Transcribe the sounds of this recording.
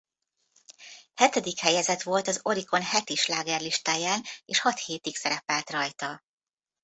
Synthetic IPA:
hɛt̪ɛd̪ikhɛjɛzɛt̪ʋo̞lt̪ɒzo̞ɾiko̞nhɛt̪iʃlaːɡɛrliʃt̪aːjaːneːʃhɒt̪heːt̪iksɛɾɛpɛlt̪rɒjt̪ɒ

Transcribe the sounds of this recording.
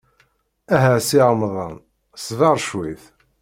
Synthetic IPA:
æɦæsiʁmðˤɑ̰n | svɑɾˤʃwiθ

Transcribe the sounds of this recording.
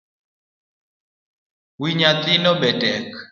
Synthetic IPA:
wiɲat̪inɔɓɛdɛk

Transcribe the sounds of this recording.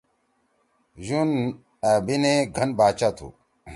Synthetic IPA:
jun | abineɡʱɐnbaːt͡ɕat̪ʰṵ

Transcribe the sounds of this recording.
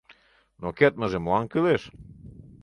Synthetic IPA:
noket̪̚məʒemlˠɑŋkɨleʃ

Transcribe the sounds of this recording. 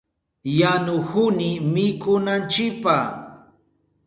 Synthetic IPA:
janʊhʊnɪmɪkʊnant͡ʃɪk̚pa

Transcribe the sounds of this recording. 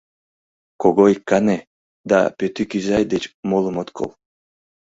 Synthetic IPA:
koɡojkane | d̪a̰pʲøt̪ykyzajd̪et͡ʃmolˠumot̪kʰo̰lˠ

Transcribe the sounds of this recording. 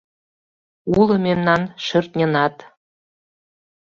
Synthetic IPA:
ulˠɤ̆mʲennːɑnʃɤ̆rt̪nʲĕnɑt̪

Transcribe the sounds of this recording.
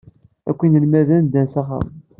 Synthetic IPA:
æ̰kʷːinəlmæðænd̪ænsæχa̰m

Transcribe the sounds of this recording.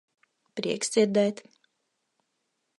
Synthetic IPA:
pɾḭɛkd̪z̥ʲiɾd̪ɛjt̪

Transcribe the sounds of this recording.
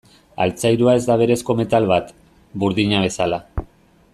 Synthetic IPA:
a̰lt͡sajɾuae̞zd̪aβ̞e̞ɾe̞sko̞me̞t̪alβat̪ | buɾðiɲaβ̞e̞sala

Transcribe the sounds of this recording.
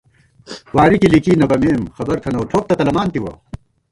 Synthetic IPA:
waːɾikilikiːnɐɡɐmeːmxɐbɐɾt̪ʰɐnɐwʈʰoːk̚t̪ɐt̪ɐlɐmaːnt̪iwɐ̰

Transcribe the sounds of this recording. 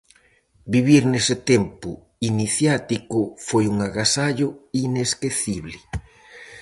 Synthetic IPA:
biβ̞iɾnesɪt̪empʊ | iniθjat̪ikʊfojuŋaɣasaʎʊineskeθiβlɪ

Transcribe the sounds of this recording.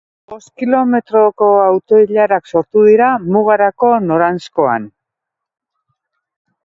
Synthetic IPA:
bo̞skilo̞me̞t̪ɾoko̞awt̪o̞iʎaɾakso̞ɾt̪uðiɾamuɣ̞aɾako̞no̞ɾansko̞a̰n

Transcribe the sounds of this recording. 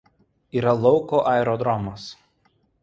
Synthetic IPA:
iːɾɐlˠɔʊkoʔɛˑɛɾɔd̪ɾɔmos

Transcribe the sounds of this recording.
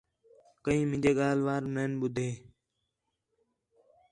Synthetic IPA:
kəĩːmɪ̃d͡ʒeːɠaːlʋaːɾmeːnɓʊd̪ʱeː

